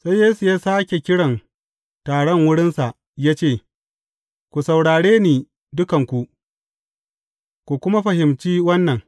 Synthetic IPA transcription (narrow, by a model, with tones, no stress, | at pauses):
sa˦jːeː˦su˨jaː˦saː˦kʲe˨kʲɪ˦ɽɐ˨n | taː˨ɽɔ˦ŋwʊ˦ɽɪ˦nsa˨ʔ | jaː˦t͡ʃeː˦˨ | kʷu˨sa˨wɽaː˨ɽeː˦niː˨ | dʊ˦kɐ˨ŋkʷu˨ | kʷu˨kʷʊ˦ma˦ɸɐ˨hɪ˨mt͡ʃiː˦wɐ˦nːɐ˨ŋ